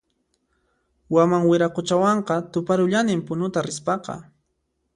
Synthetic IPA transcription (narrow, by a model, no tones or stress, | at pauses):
wamaŋwɪɾaqʊt͡ʃawɑɴqɑt̪ʊpaɾʊʎanɪmpʊnʊt̪aɾɪspɑqɑ̰